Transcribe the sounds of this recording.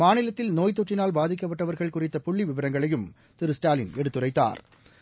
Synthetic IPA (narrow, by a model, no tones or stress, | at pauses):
maːnɪlɐt̪ːɪlnoːjt̪̬ːɔʈrɪnaːlbaːðɪk̬ːɐp̬ːɐʈːɐʋɐɾɣɐɭkʊrɪt̪ːɐpʊɭːiʋɪʋɐɾɐŋɡɐɭɐjɯm | t̪ɪɾɯsʈaːlɪnɛɽɯt̪ːɯrɐɪt̪ːa̰ːɾ